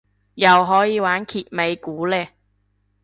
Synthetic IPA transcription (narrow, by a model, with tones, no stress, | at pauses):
jɐ˨wɦɔː˨˥jiː˨˧waː˨˥nkʰiː˨t̚me˨˧jkuː˨˥lɛː˧